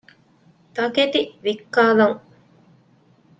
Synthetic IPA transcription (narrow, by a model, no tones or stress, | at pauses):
t̪ɐket̪iʋikːaːlɐŋ